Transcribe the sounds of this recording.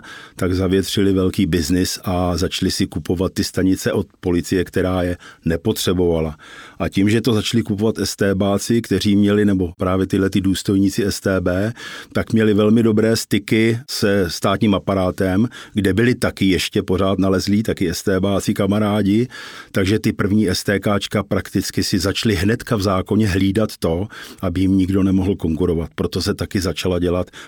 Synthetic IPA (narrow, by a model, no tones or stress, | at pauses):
t̪aɡzavɪjɛt̪r̝̥ɪlɪvɛlkiːbɪznɪsʔazat͡ʃlɪsɪkupo̞vat̪̚ːɪst̪aɲɪt͡sɛʔo̞t̪̚po̞lɪt͡sɪjɛkt̪ɛɾaːjɛnɛpo̞t̪r̝̥ɛbo̞valaʔacimʒɛt̪o̞zat͡ʃlɪkupo̞vat̪ʔɛst̪ɛːbaːt͡sɪkt̪ɛr̝iːmɲɛlɪnɛbo̞pɾaːvjɛt̪ɪdlɛt̪ɪduːst̪o̞jɲiːt͡sɪɛst̪ɛːbɛːt̪akmɲɛlɪvɛlmɪdo̞bɾɛːst̪ɪkɪsɛst̪aːt̪ɲiːmapaɾaːt̪ɛmɡdɛbɪlɪt̪akɪjɛʃcɛpo̞ɾ̝aːt̪nalɛzliːt̪akɪɛst̪ɛːbaːt͡sɪkamaɾaːɟɪt̪aɡʒɛt̪ɪpr̩vɲiːɛst̪ɛːkaːt͡ʃkapɾakt̪ɪt͡skɪsɪzat͡ʃlɪɦnɛt̪kavzaːko̞ɲɛɦliːdat̪ːo̞ʔabɪjɪmɲɪɡdo̞nɛmo̞ɦl̩ko̞ŋkuɾo̞vat̪̚pɾo̞t̪o̞sɛt̪akɪzat͡ʃalaɟɛlat̪